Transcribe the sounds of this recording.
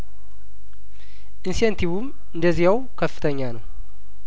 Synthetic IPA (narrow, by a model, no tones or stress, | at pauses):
ʔinsent̪ʰiβum | ɨnd̪əzːijaw | kʰəfːɨ̥t̪ʰəɲːanəw